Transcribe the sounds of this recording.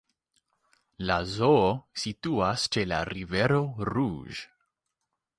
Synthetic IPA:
lazoosituast͡ʃe̞la̰ɾive̞ɾo̞ɾuʒ

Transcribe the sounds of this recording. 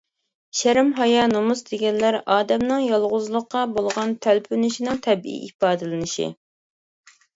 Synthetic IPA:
ʃæɾɪmɦɑjɑnomuzd̪eɡʲɛnlːæɾɑːd̪ɛmnɨŋjɑlˠʁʊzlˠʊqːɑbolˠʁɑnt̪ʰælpʰynɪʃinɪŋt̪ʰɛbḭʔipɑːd̪ɨlɪnɪʃḭ

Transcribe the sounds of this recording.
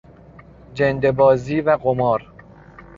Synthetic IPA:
d͡ʒend̪ebɒːziːvæɣomɒːɾ

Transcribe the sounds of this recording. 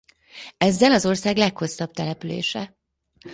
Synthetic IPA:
ɛzːɛlɒzo̞rsaːɡlɛkho̞sːɒb̚t̪ɛlɛpylḛːʃɛ

